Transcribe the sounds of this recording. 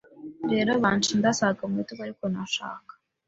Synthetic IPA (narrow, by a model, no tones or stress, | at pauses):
ɾe̞ːɾoβaːntundasaɡamituβaɾikonaʃa̰ːkḁ